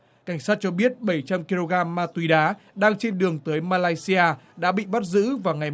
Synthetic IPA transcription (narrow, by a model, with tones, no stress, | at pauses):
ka˧˩jŋ̟saː˦˥t̚t͡ɕɔ˧ɓi˦˥ət̚ɓə˧˩jt͡ɕa˧mki˧lo˧ɣaː˧mːaː˧t̪wi˨˧˦ɗaː˨˦ɗaː˧ŋt͡ɕe˧nɗɨ˨˩əŋt̪əː˨˦jmaː˧laː˧jsi˧ʔaː˧ɗa̰ː˧˥ɓḭ˧˨ɓa˦˥t̚zɨ̰˧˥vaː˨˩wŋa˨˩j